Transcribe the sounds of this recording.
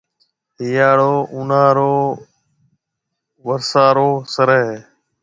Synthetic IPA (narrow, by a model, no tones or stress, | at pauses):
ɦiːjaːɽoːʔʊnaːɾoː | ʋəɾsaːɾoːsəɾəɦeː